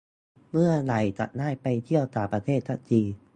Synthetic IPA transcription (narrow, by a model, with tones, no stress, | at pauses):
mɯ˥˩ɐla˨˩jt͡ɕa̰˨˩t̪̚naː˥˩jpa˧jt̪ʰi˥˩əwt̪aː˨˩pɾa˧t̪ʰeː˥˩t̪̚t͡ɕʰa̰˦˧˥t͡ɕiː˧